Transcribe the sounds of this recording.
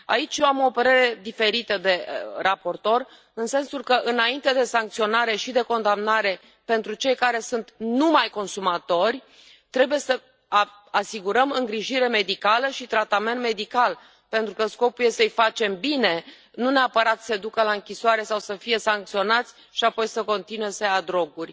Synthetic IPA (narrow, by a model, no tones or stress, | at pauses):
a̰it͡ʃjoamo̞pəɾe̞ɾe̞d̪ife̞ɾit̪əd̪e̞rapo̞rt̪o̞r | ɨnse̞nsulkəʔɨnaint̪e̞d̪e̞saŋkt̪sio̞naɾe̞ʃid̪e̞ko̞nd̪amnaɾe̞ | pe̞nt̪ɾut͡ʃe̞jkaɾe̞sunt̪numajko̞nsumat̪o̞rʲ | t̪ɾe̞buje̞sə | asiɡuɾəmɨŋɡɾiʒiɾe̞me̞d̪ikaləʃit̪ɾat̪ame̞nt̪me̞d̪ikal | pe̞nt̪ɾukəsko̞puje̞səjfat͡ʃe̞mbine̞ | nuneapəɾat̪sed̪ukəlaɨŋkʲisoaɾe̞sawsəfije̞saŋk̚t̪sio̞nat̪sʲ | ʃiapo̞jsəko̞nt̪inue̞səjad̪ɾo̞ɡurʲ